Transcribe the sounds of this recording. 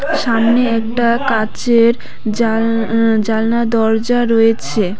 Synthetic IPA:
ʃamneɛk̚ʈakat͡ɕeɾ | a | d͡ʑalnad̪ɔɾd͡ʑaɾojet͡ɕʰe

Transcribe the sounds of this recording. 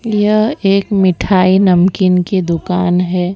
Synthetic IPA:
jɐɦeːkmɪʈʰaːinɐmkɪnked̪ʊkaːnɦɛː

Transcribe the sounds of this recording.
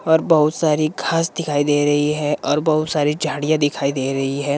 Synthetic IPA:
ɔːɾbɐɦʊt̪saːɾiɡʱaːsd̪ɪkʰaːid̪eːɾɐɦiɦɛʔɔːɾbɐɦʊt̪saːɾid͡ʒʱaːɽijãd̪ɪkʰaːid̪eːɾɐɦiɦɛː

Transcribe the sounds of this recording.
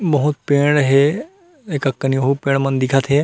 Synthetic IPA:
bəɦʊt̪̚pẽːɽ̃ɦe | ekəkːənijoɦupẽːɽ̃mənd̪ikʰat̪ʰɦe

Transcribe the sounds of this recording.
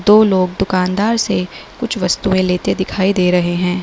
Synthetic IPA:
d̪oːloːɡ̚d̪ʊkaːnd̪aːɾsekʊt͡ʃʰʋɐst̪uẽleːt̪ed̪ɪkʰaːid̪eːɾɐɦeɦɛ̃ː

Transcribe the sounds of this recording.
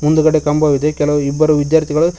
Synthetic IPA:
mund̪uɡɐɽekɐmbʱɐʋid̪ekɛlɐʋuibːɐɾuʋid̪jaːɾt̪ʰiɡɐɭu

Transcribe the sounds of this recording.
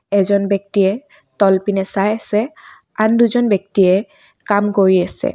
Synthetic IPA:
ɛzɔnbɛk̚tiɛ | tɔlpinɛsajasɛ | anduzɔnbjɔk̚tiɛ | kamkoɹiasɛ̰

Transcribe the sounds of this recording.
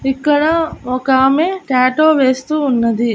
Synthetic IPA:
ikːɐɽɐɔkaːmeːʈaːʈoːʋeːst̪uːnːɐd̪i

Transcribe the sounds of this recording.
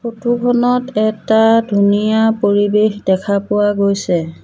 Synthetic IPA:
xotukʰɔnɔtɛtadʱunijapoɹibexdɛkʰapʊwaɡojsɛ

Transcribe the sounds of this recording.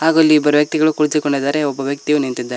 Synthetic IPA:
ɦaːɡuɐlːiːbːɐɾuʋjɐk̚t̪iɡɐɭukuɭt͡ʃikoɳɖid̪aːɾeɔbːɐʋjɐk̚t̪ijunint̪id̪ːaːɾe

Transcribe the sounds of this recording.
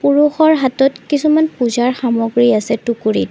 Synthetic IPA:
puɹuxɔɹɦatɔtkisumanpuzaɹxamɔɡɹiasɛtukuɹit

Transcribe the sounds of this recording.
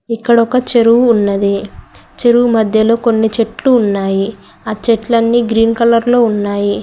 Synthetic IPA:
ikːɐɽɔkɐt͡ʃe̞ɾuwuːnːɐd̪it͡ʃe̞ɾuwumɐd̪ʱjɐlo̞ːko̞nːit͡ʃe̞ʈluːnːaːji | aːt͡ʃeʈlɐnːiːɡɾiːnkɐlɐɾlo̞ːunːaːji

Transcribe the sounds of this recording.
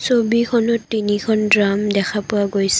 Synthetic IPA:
sobikʰɔnɔtːinikʰɔndɹamdɛkʰapʊaɡojs

